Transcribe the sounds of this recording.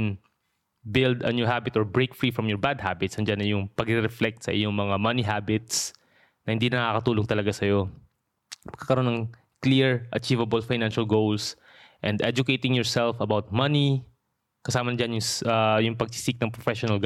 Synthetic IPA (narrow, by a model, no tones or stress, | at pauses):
n | bɪld̪ɐnjuɦabɪt̪ɔɹbɹejkfɾifɹɐmjɔɹbad̪̚habɪt̪sɐnd͡ʒanːɐjʊŋpɐɡɪɾɛflɛk̚t̪sɐ̰ʔɪjoŋmɐŋamɐniɦabɪt̪s | nɐhɪnd̪inɐŋakɐt̪uːloŋt̪ɐlɐɡasɐjo̞ | mɐɡ̥̚kːaːkɐɾo̞nːɐŋ | kliɹʔɐ̰t͡ʃivɐbɐlfajnanʃɐlɡowls | ʔɛ̃nd̪ɛd͡ʒʊkejt̪ɪŋjɔɹsɛlfɐbawt̪̚mɐni | kɐsaːmɐnɐd͡ʒanjʊŋjʊŋpɐɡ̚sɪ̥sik̚nɐŋpɾɔfɛʃɔnɐlɡ